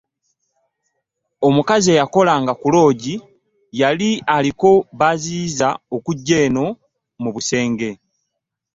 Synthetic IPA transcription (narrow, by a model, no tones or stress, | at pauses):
o̞mukazie̞jako̞laŋɡakulo̞ːɟi | jalialiko̞βaziːzaokuɟːe̞ːno̞ | muβuse̞ːŋɡe̞